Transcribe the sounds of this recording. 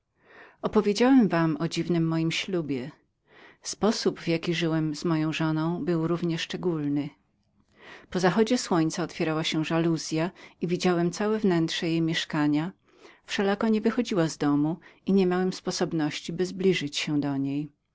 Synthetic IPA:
ɔpɔvʲjed͡ʑawɛmvamɔd͡ʑivnɘmːɔjimɕlubʲjɛ | spɔsubvjakʲiʐɘwɛmzmɔjɔ̃w̃ʐɔnɔ̃w̃bɘwɾuvɲɛʂt͡ʂɛɡulnɘ | pɔzaxɔd͡ʑɛswɔɲt̪saɔt̪fʲjɛɾawaɕɛʐaluzʲjaivʲid͡ʑawɛmt̪sawɛvnɛntʂɛjejmʲjɛʂkaɲa | fʂɛlakɔɲɛvɘxɔd͡ʑiwazd̪ɔmuiɲɛmʲjawɛmspɔsɔbnɔɕt͡ɕibɘzblʲiʐɘt͡ɕɕɛd̪ɔɲej

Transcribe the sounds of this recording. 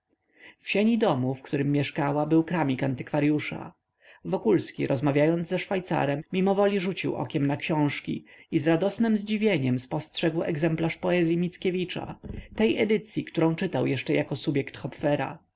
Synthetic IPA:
fɕeɲid̪ɔmufkt̪uɾɘmːjɛʂkawabɘwkɾamʲikant̪ɘkfaɾjuʂa̰ | vɔkulskʲḭɾʔɔzmavʲjajɔnd̪zɛʂfajt̪sa̰ɾɛmːʲimɔvɔlʲiʐut͡ɕiwʔɔ̰kʲɛmnakɕɔ̃w̃ʂkʲḭizɾad̪ɔsnɘmzd͡ʑivʲjeɲɛmspɔstʂɛɡwɛ̰ɡzɛmplaʂpɔɛzʲjimʲit̪skʲevʲit͡ʂa̰t̪ɛjʔɛd̪ɘt̪sʲjikt̪uɾɔ̃w̃t͡ʂɘt̪awjɛʂt͡ʂɛjakɔsubʲjɛkt̪xɔpfɛɾa̰

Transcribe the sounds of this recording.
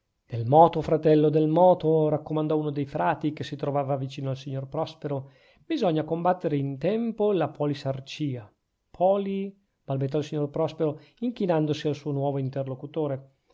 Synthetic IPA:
d̪̥elmɔːt̪ofɾat̪ɛlːod̪elmɔːt̪oɾakːomand̪ɔunod̪ejfɾaːt̪ikesit̪ɾovaːvavit͡ʃiːnoalsiɲːorpɾɔspeɾo | bizɔɲːakombat̪ːeɾeint̪ɛmpolapɔːlisart͡ʃiːa | pʰɔːli | b̥albet̪ːɔalsiɲːorpɾɔspeɾoiŋk̟inand̪osialsuːonwɔːvoint̪erlokut̪oːɾe

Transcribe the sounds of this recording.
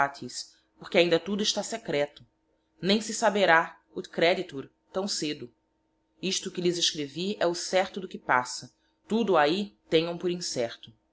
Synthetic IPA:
at̪ʰis | poχkɪaĩnd̪ɐt̪ud̪ʊiʃt̪asekɾɛt̪ʊ | nẽj̃sɪsabeɾa | ʊkɾɛd͡ʒit̪uɾ | t̪ɐ̃w̃sed̪ʊ | iʃt̪ʊkɪlɪzeʃkɾeviɛʊsɛɾt̪ʊd̪ʊkɪpasɐ | t̪ud̪ʊait̪ẽɲɐ̃w̃pʊɾĩsɛχt̪ʊ

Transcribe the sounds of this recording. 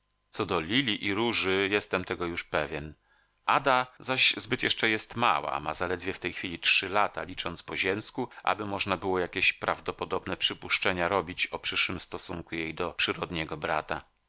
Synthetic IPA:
t̪sɔd̪ɔlʲilʲiʔiɾuʐɘjɛst̪ɛmt̪ɛɡɔjuʂpɛvʲjɛn | ʔad̪azaɕzbɘt̪jɛʂt͡ʂɛjɛst̪ma̰wa̰mazalɛd̪vʲɛft̪ɛjxfʲilʲitʂɘlat̪a̰lʲit͡ʂɔnt̪spɔʑɛmskuʔa̰bɘmɔʐnabɘwɔjakʲeɕpɾavd̪ɔpɔd̪ɔbnɛpʂɘpuʂt͡ʂɛɲaɾɔbʲit͡ɕɔpʂɘʂwɘmst̪ɔsuŋkujejd̪ɔpʂɘɾɔd̪ɲɛɡɔbɾat̪a

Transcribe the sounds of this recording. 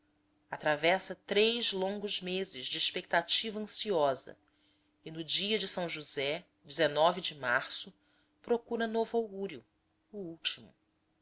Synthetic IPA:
at̪ɾavɛsɐt̪ɾejzlõŋɡʊzmezɪzd͡ʒɪːʃpek̚t̪at͡ʃivɐɐ̃siɔzɐ̰ | ɪnʊd͡ʒiɐd͡ʒɪsɐ̃w̃ʒuzɛ | d͡ʒɪzenɔvɪd͡ʒɪmaɾsʊ | pɾokuɾɐnovʊawɡuɾjʊ | ʊuwt͡ʃimʊ

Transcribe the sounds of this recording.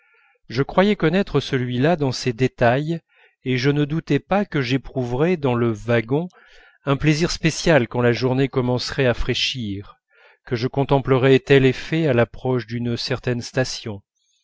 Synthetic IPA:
ʒəkχwajɛkɔnɛt̪χəsəlɥilad̪ɑ̃sed̪et̪aj | eʒənəd̪ut̪ɛpakəʒepχuvʁɛd̪ɑ̃ləvaɡɔ̃ | ɛ̃pleziʁspesjalkɑ̃laʒuʁnekɔmɑ̃sʁɛafχeʃiʁ | kəʒəkɔ̃t̪ɑ̃pləʁɛt̪ɛlefɛalapχɔʃd̪ynsɛʁt̪ɛnst̪asjɔ̃

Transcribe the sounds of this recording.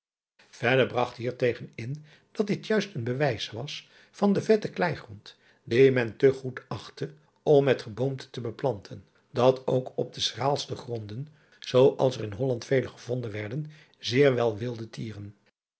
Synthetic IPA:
v̥ɛdəɹbrɑχtɦiːɹtejχənɪn | d̥ɑtd̚dɪtjœɥstənbəʋɛjsʋɑs | fɑndəvɛtəklɛjχrɔnt | dimɛntəχutɑχtə | ɔmːɛtχəbomtə̥təbəplɑntʰən | dɑtowkɔb̚dəsraːlˠstəχrɔndən | z̥owʔɑ̰lˠsərɪnɦɔlɑntfejləχəvɔndənʋɛɹdən | zɪːɹʋɛlˠʋɪlˠdətʰiːrən

